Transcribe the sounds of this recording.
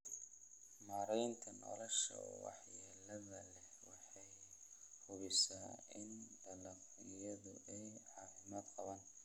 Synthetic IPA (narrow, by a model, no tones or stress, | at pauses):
maːɾɛjnt̪ʰɐnɔ̰lɔʃɐ̰wɑ̰ħjɛːlɐðɐlɛhwɑħɑjhʊβɪsaːɪnd̪ɐlɐk | ɪjɐðʊʔɛjʕɑːfɪmɐːd̪qɑβɐn